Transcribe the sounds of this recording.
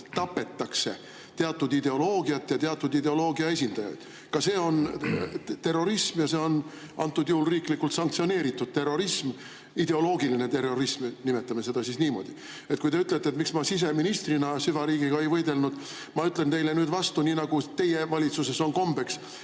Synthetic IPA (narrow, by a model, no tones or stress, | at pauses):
t̪ɑpːe̞t̪ːɑkse̞̰ | t̪e̞ɑt̪ːˑud̪id̪e̞o̞lo̞ːɡiɑt̪ːjɑt̪e̞ɑt̪ːˑud̪id̪e̞o̞lo̞ːɡiɑe̞s̬ʲind̪̥ɑjɑ̰d̪̥ | kɑse̞ːo̞n | t̪e̞rːo̞ɾismjɑse̞ːo̞n | ɑ̰nt̪ːˑud̪̥juhulriːklikːult̪sɑŋkt̪sio̞ne̞ːɾit̪ːˑud̪̥̚t̪erːo̞ɾism | id̪̥e̞o̞lo̞ːɡiline̞t̪e̞rːo̞ɾismnimet̪ːˑɑme̞se̞d̪̥ɑsisniːmo̞̰d̪̥i | e̞t̪̚kujt̪eyt̪ːˑlet̪ːet̪miksmɑsis̬e̞minist̪rinɑsyvɑɾiːɡiɡɑe̞jvɤ̞jd̪e̞lnud̪̥ | mɑyt̪ːˑlent̪e̞jle̞nyːd̪vɑst̪uniːnɑɡ̥ut̪e̞jevɑlʲit̪suse̞so̞nko̞mbe̞ks